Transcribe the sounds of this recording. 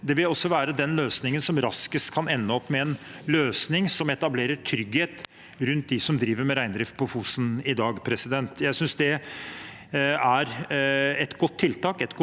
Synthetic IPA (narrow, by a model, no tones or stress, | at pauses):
d̪ɛʋɪlɔsːɔʋæːɾəd̪ɛnløːsnɪŋənsɔmɾɑskəst̪kʰɑnɛnːəɔpːmɛɛnløːsnɪŋsɔmɛt̪ɑbleːɾəʈʰɾʏɡheːt̪ | ɾʉnt̪̚d̪ɪsɔmd̪ɾiːʋəɾmɛɾæɪnd̪ɾɪft̪̚pʰɔfuːsn̩ɪd̪ɑːɡpʰɾɛsɪd̪ɛnt̪jæɪsʏnsd̪ɛ | æɾ | ɛt̪ɡɔt̪ʰːɪlt̪ɑːkɛt̪ɡɔ